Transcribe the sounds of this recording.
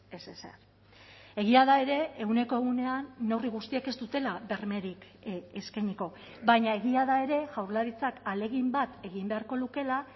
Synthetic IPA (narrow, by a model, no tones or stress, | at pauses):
e̞sesḛr | e̞ɣ̞iað̞ae̞ɾe̞ːɣune̞ko̞e̞ɣune̞anːoriɣ̞ust̪ieke̞zd̪ut̪e̞laβe̞ɾme̞ɾik | eskajɲiko̞ | βajɲae̞ɣiaðae̞ɾe̞ʝawɾlaɾit͡sakale̞ɣimbat̪e̞ɣimbe̞aɾko̞luke̞la